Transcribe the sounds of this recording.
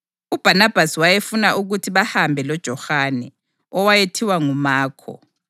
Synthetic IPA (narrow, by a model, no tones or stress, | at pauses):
ub̥ʱanab̥ʱasiwajefunaʔuɣutʰiβahambʱɛlɔd̥ʒ̥ʱɔhaːnɛ | ɔwajetʰiwaŋumaːkʰɔ̰